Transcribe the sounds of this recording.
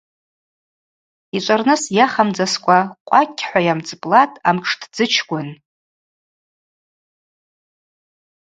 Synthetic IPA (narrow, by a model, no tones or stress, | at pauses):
it͡ʃʷʼarnɨsjaχamd͡zaskʷʼaqʷʼakʲʼʰːħʷajamd͡zpʼlatʼamʈ͡ʂʰtʰd͡zɨt͡ʃʰɡʷʼʊn